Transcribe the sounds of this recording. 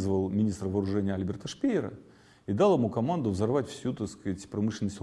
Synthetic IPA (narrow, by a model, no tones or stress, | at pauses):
zvəlˠmʲɪnʲist̪rəvəːɾʊʐɛnʲɪjəɐlʲbʲɪrt̪əʂpʲeɪɾə̰ | id̪ɑlˠɪmukɐmand̪ʊvzɐrvatʲfsʲut̪ɐskatʲpɾɐmɨʂlʲɪnəsʲt̪ʲ